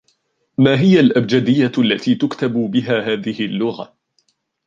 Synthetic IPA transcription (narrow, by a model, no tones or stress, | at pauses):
maːɦɪjalʔabd͡ʒad̪ɪjːaalːat̪iːt̪ʊkt̪abʊbɪɦaːɦaːðɪhɪlːʊɣa̰